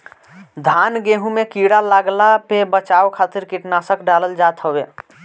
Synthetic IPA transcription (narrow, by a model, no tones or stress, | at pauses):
d̪ʱanɡeɦũmekiɽalaɡlapebət͡ʃaokʰat̪iɾkiʈnasəkɖaləld͡ʒat̪ʰɦəbe